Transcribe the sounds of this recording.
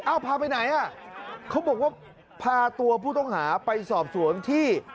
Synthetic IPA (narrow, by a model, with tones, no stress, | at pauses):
ʔa˧˩wpʰaː˧p̬a˧jna˩˦jʔa˧˩kʰa˦˥wbɔː˨˩k̚waː˥˩ | pʰaː˧t̪u˧ɐpʰuː˥˩t̪ɔ˥˩ŋhaː˩˦pa˧jsɔː˨˩p̚su˨˩˦ənt̪ʰiː˥˩